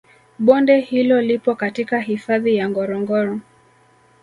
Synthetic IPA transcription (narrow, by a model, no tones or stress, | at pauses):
ɓɔndɛhilɔlipɔkatikahifaðijaŋɡɔɾɔŋɡɔɾɔ